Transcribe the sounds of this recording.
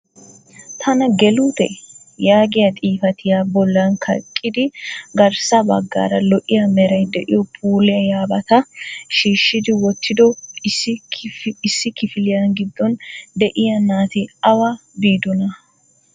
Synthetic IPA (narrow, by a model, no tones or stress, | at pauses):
t̪ʰɐnɐɡɛlut̪ɛ̰ | jaːɡɪjɐt̪ʼiːfɐt̪ɪjaːbɔlːɐnkʰɐ̰kʼːɪd̪ɪɡɐɾsɐbɐ̰ɡːa̰ːɾɐlɔʔɪjɐmɛɾɐjd̪ɛʔɪ̰jɔpʰuːlɪjɐjaːbɐt̪ɐʃiːʃːɪd̪ɪwɔt̪ːɪd̪ɔɪs | ɪsːɪkɪfɪlɪjɐnɡɪd̪ːɔnd̪ɛʔɪjɐnaːt̪ɪɐwɐbiːd̪ɔnɐ